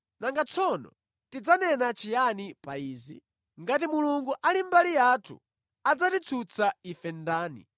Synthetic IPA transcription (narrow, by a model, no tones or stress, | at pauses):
naŋɡat͡sʰɔnɔ̰ | tid͡zanɛnat͡ʃʰijanipaiːzḭ | ŋɡat̬imuluŋɡuʔalimbalijatʰṵ | ad͡zatit͡sʰut͡sʰaifɛndaːnḭ